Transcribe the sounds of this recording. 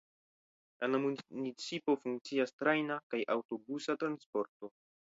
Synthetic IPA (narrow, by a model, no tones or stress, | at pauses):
anamunit͡sipo̞fuŋk̚t͡siastɾajnakajʔawto̞busatɾanspo̞ɾto̞